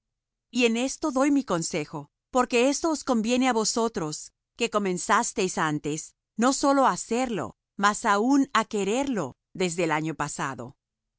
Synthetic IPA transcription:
ie̞ne̞st̪o̞ðo̞jmiko̞nse̞xo̞ | po̞ɾke̞e̞st̪o̞ːsko̞mbje̞ne̞aβo̞so̞t̪ɾo̞s | ke̞ko̞mẽ̞nsast̪e̞jsant̪e̞s | no̞so̞lo̞aːseɾlo̞̰ | masaunake̞ɾe̞ɾlo̞ | ðe̞zðe̞ːlaɲo̞pasa̰ðo̞̰

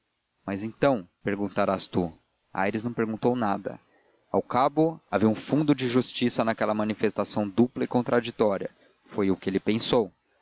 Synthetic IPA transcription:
mɐzẽt̪ɐ̃w̃peɾɡũt̪aɾast̪u | a̰jɾɪznɐ̃w̃peɾɡũnt̪ownad̪ɐ̰ | awkabʊaviũfũnd̪ʊd͡ʒɪʒust͡ʃisɐnakɛlɐmɐ̃nifest̪asɐ̃w̃d̪uplɐɪkõnt̪ɾad͡ʒit̪ɔɾiɐ̰ | fojʊkɪelɪpẽsow

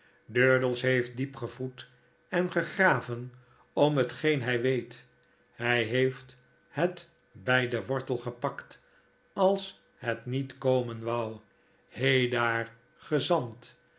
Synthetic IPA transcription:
døːɹdəlˠsɦejft̚dipχəvut | ɛnχəχraːvən | ɔmɦətχejnɦɛjʋejt | hɛjɦejft | hət | bɛjdəʋɔɹtəlˠχəpɑkt | ɑlˠs | hɛtnitkowmənʋʌw | hejdaːɹ | χəzɑnt

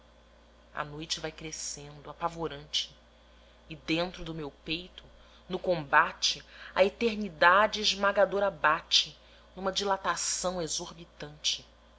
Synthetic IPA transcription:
a̰nojt͡ʃɪvajkɾesẽnd̪ʊapavoɾɐ̃nt͡ʃɪ̥ː | d̪ẽnt̪ɾʊd̪ʊmewpejt̪ʊ | nʊkõmbat͡ʃɪɐet̪eɾnid̪ad͡ʒɪːʒmaɡad̪oɾabat͡ʃɪ | nũmɐd͡ʒilat̪asɐ̃w̃ezoɾbit̪ɐ̃nt͡ʃɪ

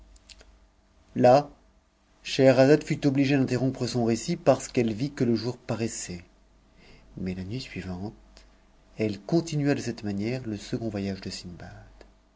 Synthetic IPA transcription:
la | ʃɛʁazad̪fyt̪ɔbliʒed̪ɛ̃t̪eʁɔ̃pχəsɔ̃ʁesipaʁsə̥kɛlvikələʒuʁpaʁɛsɛ | mɛlanɥisɥivɑ̃t̪ | ɛlkɔ̃t̪inɥad̪əsɛt̪manjɛʁləsəɡɔ̃vwajaʒd̪əsinbad̪̥

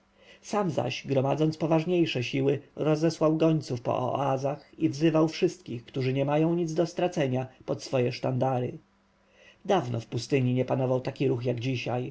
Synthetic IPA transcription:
samza̰ʑɡɾɔmad̪zɔnt̪spɔvaʐɲejʂɛɕiwɘɾɔzɛswawɡɔɲt̪sufpɔ̰ʔɔ̰azaxivzɘvawfʂɘst̪kʲixkt̪uʐɘɲɛmajɔ̃w̃ɲid̪zd̪ɔst̪ɾat̪sɛɲapɔt̪sfɔjɛʂt̪and̪aɾɘ̰ | d̪avnɔfpust̪ɘɲiɲɛpanɔvawt̪akʲiɾuxjaɡd͡ʑiɕaj

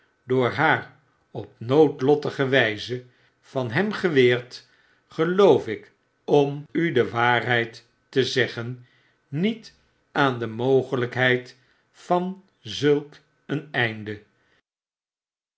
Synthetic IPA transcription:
dʊːɹɦaːɹ | ɔp̚nowtlɔtəχəʋɛjzə | fɑnɦɛmχəʋɪːɹt | χəlowfɪk | ɔmydəʋaːɹɦɛjtː | əzɛχənː | it | aːndəmowχələkɦɛjt | fɑn | zɵlˠk | ənɛjndə

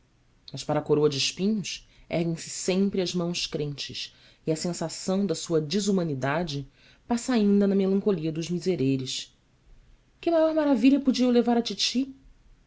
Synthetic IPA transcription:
mɐʃpaɾɐkoɾoɐd͡ʒɪʃpĩɲʊsɛ̰hɡẽj̃sɪ̥sẽmpɾɪɐʒmɐ̃w̃ʃkɾẽnt͡ʃɪ̰ʃ | iɐsẽsasɐ̃w̃d̪ɐsuɐd͡ʒizumɐ̃nid̪ad͡ʒɪ | pasɐaĩnd̪ɐnɐmelɐ̃ŋkoliɐd̪ʊʒmizeɾeɾɪʃ | kɪmajɔɾmaɾaviʎɐpud͡ʒiɐulevaɾɐt͡ʃit͡ʃi

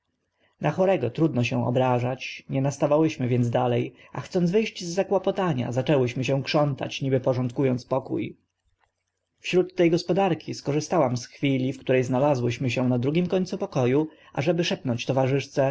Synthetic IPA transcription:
naxɔɾɛɡɔt̪ɾud̪nɔɕɛw̃ʔɔ̰bɾaʐat͡ɕɲɛnast̪avawɘɕmɘvʲjɛnzd̪alɛj | a̰xt̪sɔnd̪zvɘjɕd͡ʑzːakwapɔt̪aɲa̰zat͡ʂɛwɘɕmɘɕ̬ɛw̃kʂɔnt̪a̰t͡ɕɲibɘpɔʐɔnt̪̚kujɔnt̪spɔkṵj | fɕɾut̪ːɛjɡɔspɔd̪aɾkʲiskɔʐɘst̪awamsxfʲilʲifkt̪uɾɛjznalazwɘɕmɘɕɛ̃nad̪ɾuɡʲimkɔɲʲt̪supɔkɔju | ʔa̰ʐɛbɘʂɛpnɔɲt͡ɕt̪ɔvaʐɘʂt̪sɛ

